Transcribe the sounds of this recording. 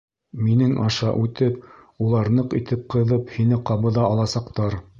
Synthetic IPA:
minɘŋʔɑʃɑʔʉt̪ɘp̚ | ulˠɑɾnɤqḭt̪ɘp̚qɤ̆ðɤphinɘqɑβɤ̆ðɑɑlˠɑsɑqt̪ɑɾ

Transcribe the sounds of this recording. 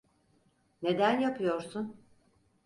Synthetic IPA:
ne̞d̪ænjapʰɯjo̞ɾsun

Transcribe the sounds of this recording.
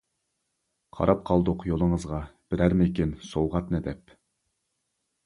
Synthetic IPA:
qʰɑ̰ɾɑp̚qʰɑlˠd̪ʊqjolˠəŋəzʁɑb̥ɪɾæɾmɪkʲinsowʁɑt̪nɛd̪ɛp

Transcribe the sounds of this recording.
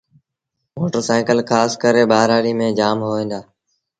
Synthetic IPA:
moːʈəɾsaːɪkəlkʰaːskəɾeːɓaːɾaːɽiːmẽːd͡ʒaːmɦoːẽːnd̪aː

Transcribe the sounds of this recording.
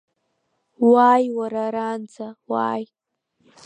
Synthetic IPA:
wajwaɾaɾant͡sʰawa̰j

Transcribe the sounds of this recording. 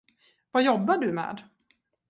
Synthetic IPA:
vajɔbːaɖɵmɛ̰ːd̪

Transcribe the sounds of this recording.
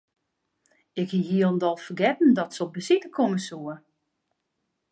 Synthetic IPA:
ɪkhiɦiəlˠmdɔlˠfərɡɛtn̩dɔtsəɔbəsitəkʰoməsuə

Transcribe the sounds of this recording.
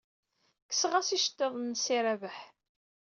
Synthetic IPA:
kːə̥sʁæsiʃə̥t̪ːeðˤnsiɾævəħ

